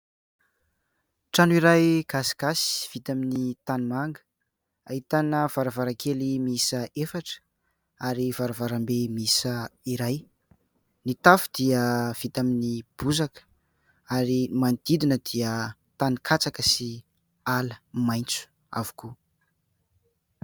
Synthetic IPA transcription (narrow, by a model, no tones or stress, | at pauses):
ʈ͡ʂanuiɾajɡ̥asi̥ɡ̥asi̥v̥it̪aminit̪anumaŋɡə̥ | ahit̪anəv̥aɾavaɾakʰelimisəefaʈ͡ʂə̥ | aɾivaɾavaɾambemisəiɾaj | nit̪afu̥d̪̥iəv̥it̪aminib̥uzakə̥ | aɾimand̪̥id̪inəd̪̥iə | t̪anikʰat͡sakəsi | aləmajnt͡su̥ | a̰vu̥ku